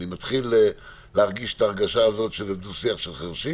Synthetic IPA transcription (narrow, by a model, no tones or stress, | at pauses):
nimat̪χile | leaʁɡiʃt̪aːʁɡaʃaːzo̞tʃezevd̪usiaχʃelχeʁʃi